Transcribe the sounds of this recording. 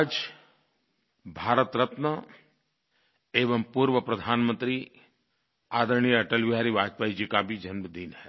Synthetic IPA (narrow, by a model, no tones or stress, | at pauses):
d͡ʒ | bʱaːɾət̪ɾɐt̪nə | eːʋəmpuːɾʋəpɾɐd̪ʱaːnmə̃nt̪ɾi | aːd̪əɾɳ̃iɐʈəlʋɪɦaːɾiʋaːd͡ʒpaːid͡ʒikabʱid͡ʒɐnməd̪iːnɦɛː